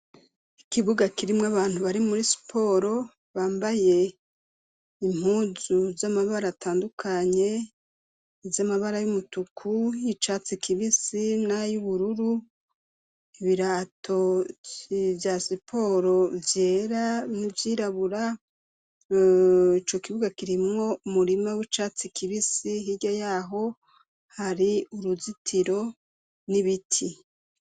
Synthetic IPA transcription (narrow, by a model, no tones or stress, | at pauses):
ikiβuɡakiɾimŋaβaːn̥huβaɾimuɾisi̥pʰo̞ːɾo̞ | βaːmbaje̞ | im̥huzuzamaβaɾatʰaːndukʰaɲe̞ | vjamaβaɾajumutukʰujit͡ʃat͡sikʰiβisinajuβuɾuɾu | iβiɾaːtʰo̞ | vjasipʰo̞ɾo̞vjeːɾanivjiːɾaβuɾa | it͡ʃo̞kiβuɡakiɾimŋo̞umuɾimawit͡ʃaːt͡sikiβisiɦiɟojaːɦo̞ | haɾiuɾuzitʰiɾo̞ | niβitʰi